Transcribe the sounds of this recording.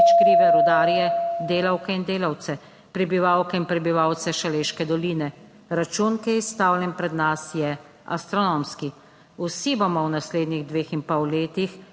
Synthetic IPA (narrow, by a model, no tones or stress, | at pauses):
t͡ʃkɾiːʋɛɾud̪aːɾijɛd̪eːlawkɛind̪eːlawt̪sɛ | pɾɛbiʋaːwkɛinpɾɛbiʋawt̪sɛʃaleːʃkɛd̪ɔliːnɛ | ɾat͡ʃuːnkiist̪aːwlʲɛnpɾɛd̪nasjɛ | a̰st̪ɾɔnoːmski | usibɔmɔwnasleːd̪niɣd̪ʋeːxinpɔwleːt̪ix